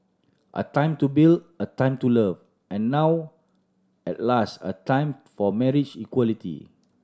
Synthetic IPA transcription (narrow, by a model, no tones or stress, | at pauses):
ʔə̰tãɪ̃mtubildətãɪ̃mtuləv | ʔɛ̃nːaw | ɛtlastə̰tãjmfɔmɛɹid͡ʒikwɔlitḭ